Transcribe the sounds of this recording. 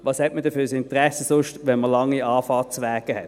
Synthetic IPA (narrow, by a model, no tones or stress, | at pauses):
ʋɑːshɛtmədəfyːsɪntʁɛsəsʊʃtʋɛnməlɑŋːiɑːfɑːt͡sʋɛːɡ̥əhɛt